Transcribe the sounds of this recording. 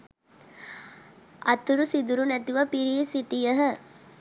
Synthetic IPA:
ʔɐt̪uɾusid̪uɾunæt̪iʋɐpiɾiːsiʈijəɦə

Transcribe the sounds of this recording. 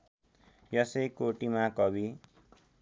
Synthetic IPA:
jʌsejkoʈimakʌbi

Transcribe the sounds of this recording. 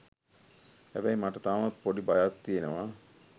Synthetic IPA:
hæbæjmaʈət̪aːʋat̪̚poɖibajat̪t̪ijenəʋa

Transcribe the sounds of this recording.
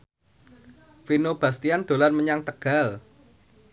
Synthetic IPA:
finob̥ast̪iand̪̥o̤lanməɲaŋt̪əɡ̥a̤l

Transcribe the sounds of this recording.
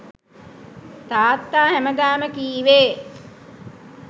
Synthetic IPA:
t̪aːt̪ːaːhæməɡ̪aːməkiːʋeː

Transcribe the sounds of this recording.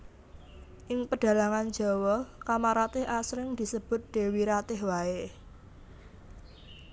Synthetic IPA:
ʔɪŋpəɖ̥a̤laŋand̥d͡ʒ̥ɔ̤wɔkamaɾat̪ɪhasɾɪŋd̪̥i̤səb̥ʊ̤t̪̚d̪̥e̤wiɾat̪ɪhwae

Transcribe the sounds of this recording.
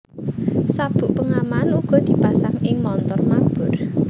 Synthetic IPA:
sab̥ṳʔpəŋamanuɡ̥ɔ̤d̪̥i̤pasaŋɪŋmɔnt̪ɔrmab̥ʊ̤r

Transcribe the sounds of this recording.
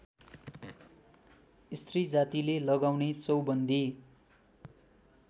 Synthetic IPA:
ist̪rid͡zat̪ilelʌɡawnet͡sʌwbʌnd̪ʱi

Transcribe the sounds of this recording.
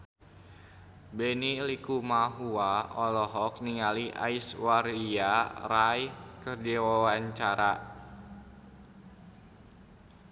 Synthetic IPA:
bɛnilikumaɦuaɔlɔɦɔk̚niŋaliʔa̰iswaɾiaraikərd͡ʒiwawaɲt͡ʃaɾa

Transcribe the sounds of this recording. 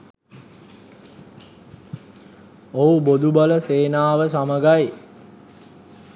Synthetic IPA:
oubod̪ubaləseːnaːʋəsaməɡaj

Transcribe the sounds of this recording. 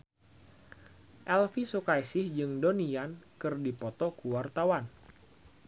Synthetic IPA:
ʔɛlfisukajsɪhd͡ʒɨŋdoniankɨrdipɔt̪ɔkuwart̪awan

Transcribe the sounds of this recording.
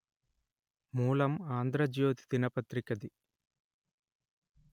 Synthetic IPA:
muːlɐmaːnd̪ɾɐd͡ʒjoːt̪i̥t̪inɐpɐt̪ɾikɐd̪i

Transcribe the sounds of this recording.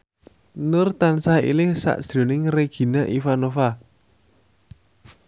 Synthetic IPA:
nʊrt̪ansahḭlɪhsa̰ʔsd̪̥ɾonɪŋreɡ̥i̤naʔifanofa

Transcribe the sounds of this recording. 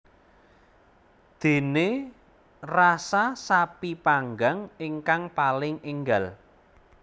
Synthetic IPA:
d̪̥e̤ne | rasasapipaŋɡaŋiŋkaŋpalɪŋiŋɡal

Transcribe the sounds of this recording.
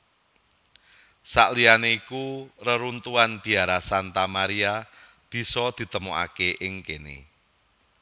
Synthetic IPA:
sa̰ʔlianeikurəɾunt̪uanb̥i̤aɾasant̪amaɾia | b̥i̤sɔd̪̥i̤t̪əmuʔa̰keʔɪŋkenḛ

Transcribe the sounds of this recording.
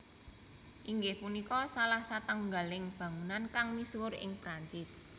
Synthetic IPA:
ʔiŋɡɪhpunikɔsalahsat̪əŋɡa̤lɪŋb̥ä̤ŋunankaŋmiswʊɾɪ̰ŋpɾaɲt͡ʃɪs

